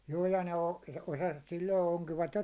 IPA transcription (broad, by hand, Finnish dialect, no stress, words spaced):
juː jɑ ne o osɑsʋɑt silːoi oŋkiʋɑt jo